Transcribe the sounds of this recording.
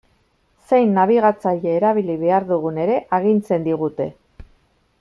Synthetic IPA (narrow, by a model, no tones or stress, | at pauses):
se̞jnːaβ̞iɣ̞at͡sajeːɾaβ̞iliβe̞aɾðuɣ̞une̞ɾe̞ʔaɣ̞int͡se̞nd̪iɣ̞ut̪e̞